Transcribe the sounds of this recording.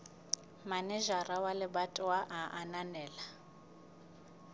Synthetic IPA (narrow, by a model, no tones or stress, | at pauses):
manɛʒarawalɪbatʼʊaʔaʔananɛːla